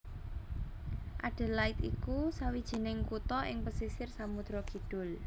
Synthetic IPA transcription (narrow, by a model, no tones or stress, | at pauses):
ʔaɖ̥e̤laɪt̪ikusawid̥ʒ̥i̤nɪŋkut̪ɔʔɪ̰ŋpəsisɪrsamud̪̥ɾɔɡ̥i̤ɖ̥ʊ̤l